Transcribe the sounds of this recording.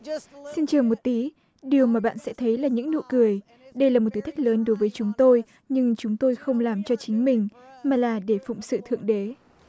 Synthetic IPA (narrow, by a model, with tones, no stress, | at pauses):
si˧nt͡ɕəː˨˩mo˨˩t̚t̪i˨˦ | ɗi˨˩əwmaː˨˩ɓa̰ː˧˨nsɛ̰˧˥t̪ʰə˨˦jlaː˨˩ɲɨ̰˧˥ŋno̰˧˨kɨ˨˩əj | ɗə˧jlaː˨˩mo˨˩t̪̚ɨ˨˦t̪ʰjk̚ləː˨˦nɗo˨˦jvəː˨˦jt͡ɕʊ˨˦ŋ͡mt̪o˧j | ɲɨ˧ŋt͡ɕʊ˨˦ŋ͡mt̪o˧jxə˧wŋ͡mlaː˨˩mt͡ɕɔ˧t͡ɕï˨˦ŋ̟mï˨˩ŋ̟maː˨˩laː˨˩ɗe˧˩fʊ̰˧˨ŋ͡msɨ̰˧˨t̪ʰɨ̰˧˨əŋɗe˨˦